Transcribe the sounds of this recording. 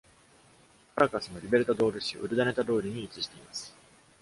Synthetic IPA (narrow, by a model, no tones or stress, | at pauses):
kaɾakasɨno̞ɾʲibe̞ɾɯ̟t̪ad̪o̞ːɾɯ̟ɕḭʔɯ̟ɾɯ̟d̪ane̞t̪ad̪o̞ːɾʲiɲ̟iːt͡ɕiʑi̥t̪e̞imasɨ̥